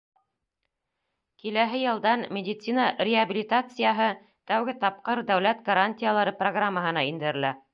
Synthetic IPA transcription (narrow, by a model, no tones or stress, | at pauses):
kilæɦɘjɤ̆lˠd̪ɑnmʲɪdʲɪt̪sinarʲɪabʲilʲit̪at̪sɨjaɦɤ | t̪æwɡɘt̪ɑp̚qɤɾd̪æwlæt̪ɡɐɾanʲtʲɪjalˠɑɾɤproɡramːəɦɤ̆nɑind̪ɘ̆ɾɘ̆læ